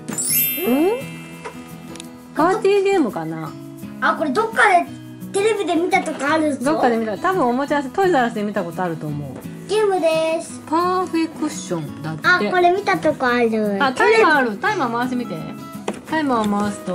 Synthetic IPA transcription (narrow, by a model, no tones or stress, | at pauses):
ɯ̃ | pʰaaːt̪ʲiːɡe̞ːmɯ̟kana | ako̞ɾe̞d̪o̞kːad̪e | t̪e̞ɾe̞bʲid̪e̞mʲit̪at̪o̞kaaɾɯ̟d̪okːad̪emit̪at̪abɯ̟̃ɰ̃o̞mot͡ɕias̬ɨt̪oizaɾasɨd̪emʲit̪ako̞t̪o̞aɾɯ̟t̪o̞ːmo̞̰ɯ̰ | ɡ̥e̞ːmɯ̟d̪esɨ̥paɸekːɯɕõnd̪at̪aeko̞ɾe̞mʲit̪at̪o̞kaaɾɯ̟at̪aiaaɾɯ̟t̪aimãmaasemʲit̪ḛ̃ | t̪aimãmaasɨ̥t̪o